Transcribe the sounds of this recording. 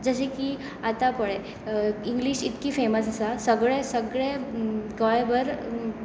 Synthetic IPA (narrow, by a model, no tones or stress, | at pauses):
d͡zəɕeki | at̪apəɭe | iŋɡliɕit̪kifeməsəsasəɡɭesəɡɭeɡɔjbəɾ